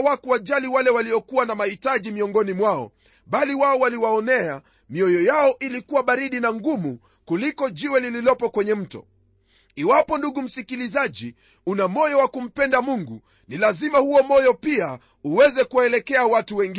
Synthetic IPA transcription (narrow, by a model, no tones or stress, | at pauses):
wakuwaʄaliwalɛwaliɔkuwanamahitaʄimiɔŋɡɔnimwaɔ̰ | ɓaliwaɔwaliwaɔnɛa | miɔjɔjaɔʔilikuwaɓaɾiɗinaŋɡumu | kulikɔʄiwɛlililɔpɔkwɛɲɛm̩tɔ̰ | iwapɔnduɠum̩sikilizaʄi | unamɔjɔwakum̩pɛndamuŋɡu | nilazimahuɔmɔjɔpia | uwɛzɛkuwaɛlɛkɛawatuwɛŋɡ